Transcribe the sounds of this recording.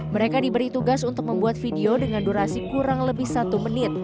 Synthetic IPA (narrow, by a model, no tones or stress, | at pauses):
məɾekadibəɾit̪uɡasunt̪ʊk̚məmbuat̪̚fideodəŋanduɾasikuɾaŋləbɪhsat̪umənɪt̪̚